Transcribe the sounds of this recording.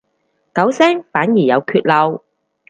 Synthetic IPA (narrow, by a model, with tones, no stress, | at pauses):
kɐ˨˥wsɛː˥ŋfaː˨˥njiː˨˩jɐ˨˧wkʰyː˧t̚lɐ˨˧w